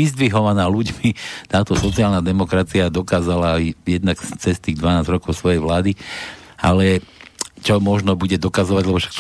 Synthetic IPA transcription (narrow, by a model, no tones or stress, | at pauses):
izd̪ʋiɦɔʋanaːluɟmit̪aːt̪ɔsɔt͡siaːlnad̪ɛmɔkɾat͡siad̪ɔkaːzalajɛd̪nakt͡sɛst̪iːɡd̪ʋanaːzɾɔkɔʊsʋɔjɛjʋlaːd̪i | alɛ | t͡ʃɔmɔʒnɔbuɟɛd̪ɔkazɔʋaɟlɛbɔfʃak̚t